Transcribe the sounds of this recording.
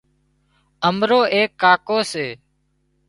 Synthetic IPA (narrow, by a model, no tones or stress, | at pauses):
əmɾoːʔeːkːaːkoːseː